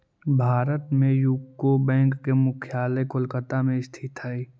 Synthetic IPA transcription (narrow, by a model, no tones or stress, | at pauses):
bʱaːɾət̪mẽjukːobɛ̃ːŋkːemʊkʰjaːlekʊlkət̪amẽst̪ʰɪt̪ai